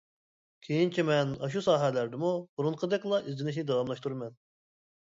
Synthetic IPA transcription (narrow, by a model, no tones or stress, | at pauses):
kʲʰejint͡ʃʰimɛnɑ̰ʃ̬usɑːɦɛlæɾd̪ɪmubuɾunqʰəd̪ɛkʲlˠɑʔizlɪnɪʃ̬nɪd̪ɑwɑmlˠɑʃt̪ʰuɾmɛn